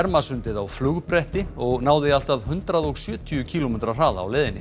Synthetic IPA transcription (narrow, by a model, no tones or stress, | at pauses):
ɛɾmasʏnt̪ɪðawflʏɣpɾɛht̪ɪɔɣnaːwðɪal̥t̪aðɦʏnt̪ɾaðɔɣsjœːt̪ʰʏʏcʰiːlɔmɛːt̪ɾar̥aːða̰ːwleːðɪnːɪ